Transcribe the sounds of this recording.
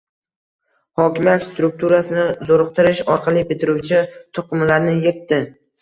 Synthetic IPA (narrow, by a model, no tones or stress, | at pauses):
hɒkʲɪmjat̪st̪ɾʊk̚t̪ʰuɾasɪnɪzoɾɨq̚t̪ʰɪɾɪʃɒɾqʰɑlˠijbɪt̪ʰɪɾut͡ʃʰɪt̪ʰʊqʰɨmlaɾnɪjeɾt̪ːɪ